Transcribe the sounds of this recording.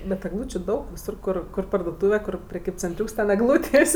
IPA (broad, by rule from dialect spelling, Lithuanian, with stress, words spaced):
bʲɛt ɛɡˈlˠuːt͡ʃʲʊ dɐʊk ʋʲɪˈsʊr ˈkʊr kʊr pɐrduɔˈtuːʋʲɛ kʊr pʲrʲɛˈkʲiːpʲt͡sʲɛnʲˌtʲrʲuːks tʲɛn ɛɡˈlˠuːtʲeːsʲ